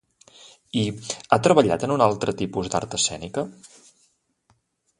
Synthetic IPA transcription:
iat̪ɾəβəʎa̰t̪ənunalˠt̪ɾət̪ipuzd̪a̰ɾt̪əsɛ̰nikə

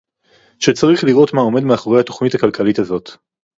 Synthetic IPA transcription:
ʃet͡saʁiχliʁo̞tmao̞me̞dmeaχo̞ʁejhat̪o̞χnithakalkalitazo̞t̪

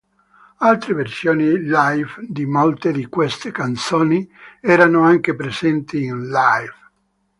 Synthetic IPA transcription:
alt̪ɾeversjoːnilajvd̪imolt̪ed̪ikwest̪ekant̪soːniɛːɾanoaŋkepɾezɛnt̪iːnlajv

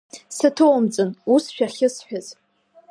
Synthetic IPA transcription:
sɨtʰɨwamd͡zʼɨnusʃᶣaχʲɪsħᶣaz

